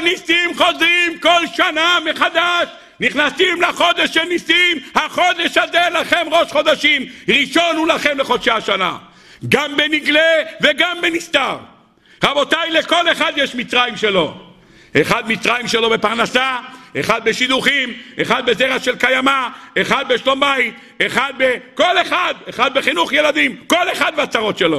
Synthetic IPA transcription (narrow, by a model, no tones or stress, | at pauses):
nisimχo̞zʁimko̞lʃanameχad̪aʃ | niχnasimlaχo̞d̪eʃenisimhaχo̞d̪eʃazelaχemʁo̞ʃχo̞d̪aʃimʁiʃo̞nulaχe̞mleχo̞d̪ʃaaʃana̰ | ɡambe̞niɡleve̞ɡambenist̪aʁ | ʁabo̞t̪ajleko̞le̞χad̪jeʃmit͡sʁajimʃe̞lo̞ | ʔeχad̪mit͡sʁajimʃelo̞bepaʁnasaeχad̪̚beʃid̪uχime̞χad̪̚be̞zeʁaʃelkajamaeχad̪̚beʃlo̞mbait̪̚ | eχad̪̚beko̞leχad̪eχad̪̚beχinuχjelad̪imko̞le̞χad̪̚beat͡saʁo̞t̪ʃelo̞